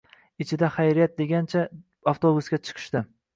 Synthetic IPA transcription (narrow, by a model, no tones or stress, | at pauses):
ɪt͡ʃʰɪd̪aχajɾijat̪̚d̪e̞ɡʲant͡ʃʰa | ɑft̪obusɡʲat͡ʃʰɨ̥qʰɨ̥ʃt̪ɪ